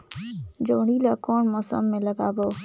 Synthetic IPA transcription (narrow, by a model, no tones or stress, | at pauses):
d͡ʒoːɽ̃iːlakoːnmoːsə̰mːẽlɐɡaːboː